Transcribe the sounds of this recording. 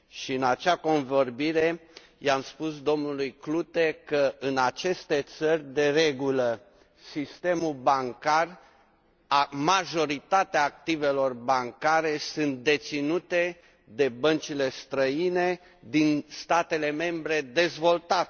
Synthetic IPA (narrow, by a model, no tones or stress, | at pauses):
ʃiɨnat͡ʃako̞nvo̞rbiɾe̞ | jamspusd̪o̞mnulujklut̪e̞kəʔɨnat͡ʃe̞st̪e̞t̪sərʲd̪e̞re̞ɡulə | sist̪e̞mulbaŋkar | amaʒo̞ɾit̪at̪eaːk̚t̪ive̞lo̞rbaŋkaɾe̞sɨnt̪̚d̪e̞t̪sinut̪e̞ | d̪e̞bənt͡ʃile̞st̪ɾəine̞ | d̪inst̪at̪e̞le̞me̞mbɾe̞d̪e̞zvo̞lt̪at̪